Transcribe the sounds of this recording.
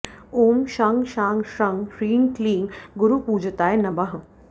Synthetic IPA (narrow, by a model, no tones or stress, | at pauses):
oːmʃaŋɡʃaːŋɡʃɐŋɡʃɾiːŋkliːŋɡɡuɾupuːd͡ʒt̪aːjnɐbɐɦ